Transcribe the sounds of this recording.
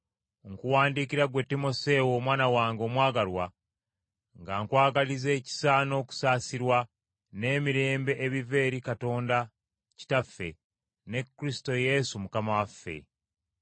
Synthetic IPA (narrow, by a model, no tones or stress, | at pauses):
ŋkuwaːndikiɾaɡwe̞tːimo̞se̞woːmwaːnawaːŋɡo̞mwaːɡalwa | ŋɡaːŋkwaːɡalize̞ːci̥saːno̞ːku̥saːsiɾwa | ne̞ːmiɾe̞ːmbe̞ʔːβive̞ːɾikato̞ːnda | ci̥tafːe̞̰ | ne̞kːɾisi̥to̞je̞sumukamawafːe̞̰